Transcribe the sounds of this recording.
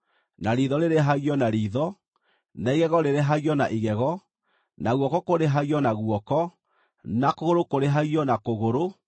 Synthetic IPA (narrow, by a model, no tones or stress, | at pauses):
naɾiðɔɾeɾeɦaɣjɔnaɾiːðɔ | naiɣɛɣɔɾeɾeɦaɣjɔnaʔiɣɛɣɔ | naɣwɔkɔkoɾeɦaɣjɔnaɣuɔkɔ | nakoɣoɾokoɾeɦaɣiɔnakoɣoɾo